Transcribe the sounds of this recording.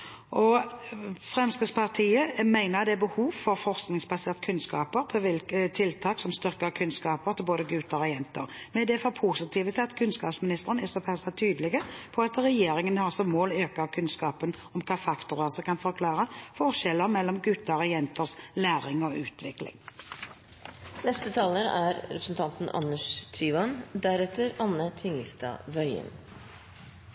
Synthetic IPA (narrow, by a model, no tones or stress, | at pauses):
ʔɔ | fʁɛmskəspʰɑʁt̪ʰiːəmæɪnəʁd̪ɛæbəhuːʋfɔɾfɔʁsknɪŋsbɑseːʁt̪kʰʉnskɑːpəɾpʰɔʋɪlkət̪ʰɪlt̪ʰɑːksɔmst̪ʏɾkəkʰʉnskɑːpəɾt̪ʰɪlboːd̪əɡʉːt̪əɾɔjɛnt̪ə̰ɾmɛd̪ɛfɔɾpʰuːsɪt̪ʰiːʋət̪ʰɪlɑt̪kʰʉnskɑːpsmɪnɪst̪əʁənɛsɔpʰæsɑt̪ʰyːd̪əlɪɡəpʰɔɑt̪ɾɛjeːɾɪŋənhɑɾsɔmmoːløːkəʁkʰʉnskɑːpənɔmkʰɑːfɑkt̪ʊʁəsəkɑnfɔʁkʰlɑːʁəfɔʁʃɛlːəʁmɛlːɔmɡʉt̪ːəʁɔjɛnt̪əʁslæːʁɪŋɔʔʉ̰ːt̪ʋɪklɪ̰ŋ | nɛst̪ət̪ʰɑːləɾæɾɾɛpɾəsn̩t̪ʰɑnt̪n̩ʔɑ̰nːəʂt̪ʰɾyːʋɑnd̪æɾɛt̪ːəɾɑnːət̪ʰɪŋəlst̪ɑ̰ːʋœʏə̰n